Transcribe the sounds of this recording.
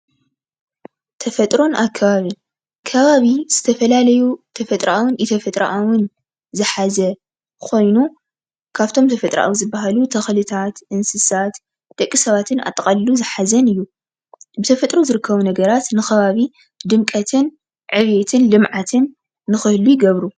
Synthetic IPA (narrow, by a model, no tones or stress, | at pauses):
t̪ʰɐfɐt̪ʼɾo̞nʔakʰːɐβaβi | kʰɐβaβiz̥ɨt̪ʰɐfɐlalɐjut̪ʰɐfɐt̪ʼɾaʔawɨnʔit̪ʰɐfɐt̪ʼɾaʔawɨn | zɨħazɐ | kʰo̞jnu | kʰaβt̪ʰo̞mt̪ʰɐfɐt̪ʼɾa̰ʔa̰wzɨbːɐɦalut̪ʰɐxlɨt̪ʰat̪ʔɨnsɨsat̪ | d̪̥ɐkʼːisɐβat̪ʰɨna̰t̪ʼɐqʼalluzɨħazɐnɨjːu | bɨt̪ʰɐfɐt̪ʼɾozɨɾɨkʰːɐβunɐɡɐɾat̪nɨxɐβaβi | d̪ɨmkʼɐt̪ʰɨn | ʕɨβjet̪ʰɨnlɨmʕat̪ʰɨnː | ɨxɨhlujɪɡɐβɾu